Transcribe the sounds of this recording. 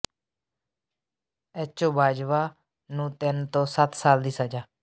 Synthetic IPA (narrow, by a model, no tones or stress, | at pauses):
ɛt͡ʃoːbʱaːd͡ʒʋaː | nũːt̪ɛnt̪õːsət̪ʰsaːld̪iːsəd͡ʒaː